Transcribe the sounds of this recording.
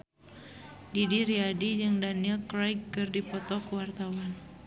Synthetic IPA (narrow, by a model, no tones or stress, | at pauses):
didiɾiadid͡ʒɨŋdaniɛlkɾɔjkːɨrdipɔt̪ɔkuwart̪awan